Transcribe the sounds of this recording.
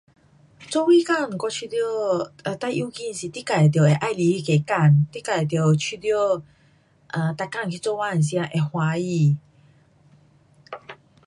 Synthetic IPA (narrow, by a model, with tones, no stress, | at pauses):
t͡sɔ˦wi˦ka˥˧˨m̩˨kɔ˧t͡ɕʰi˧d̪jo˥˧a˧t̪a˥˧˨ʔu˧˦ki˧nsi˨˩t̪i˦ka˨˩jt̪̬jo˨˩e˨ʔa˥˨jli˧˦i˦ke˨ka˥˩˨nt̪i˦ka˨˩jt̪̬jo˨˩t͡ɕʰi˧d̪jo˥˦˨ | ʔa˧˨t̪a˧˩kːa˥˩˨ŋkʰi˧t͡sɔ˥˦wa˦˧˨n˨sj̃ã˦ʔe˨˩hwa˧i˧˩˨